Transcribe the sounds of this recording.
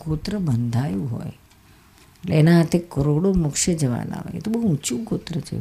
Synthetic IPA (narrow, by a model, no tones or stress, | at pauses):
ɡot̪ɾəbənd̪ʱajũɦɔ̰j | eʈleːnaɦat̪ʰekəɾoɽomʊkʃəd͡ʒəʋa̰na̰ɦo̰jḛt̪obəɦũut͡ʃukot̪ɾət͡ʃʰḛ